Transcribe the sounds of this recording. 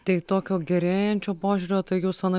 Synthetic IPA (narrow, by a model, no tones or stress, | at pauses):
t̪ɐɪt̪oːkʲoːɡʲɛɾʲeːjɛnʲt͡ʃʲoːpoːʒʲuːɾʲoːt̪ɐɪjuːsɐnɐ